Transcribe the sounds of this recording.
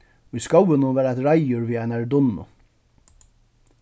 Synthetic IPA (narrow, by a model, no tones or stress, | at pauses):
ʊjskowɪnʊvɛːɾajt̪ɾajʊɾviːajnaɹd̪ʊnːʊ̰